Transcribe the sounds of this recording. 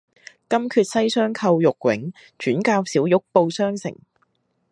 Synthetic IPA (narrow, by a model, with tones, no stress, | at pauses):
kɐ˥mkʰyː˧t̚sɐ˥jsœː˥ŋkʰɐ˧wjʊ˨k̚wɪ̰˨˥ŋ | t͡ʃyː˨˥nkaː˧wsiː˨˥wjʊ˨˥k̚po˧wsœː˥ŋsɪ̰˨˩ŋ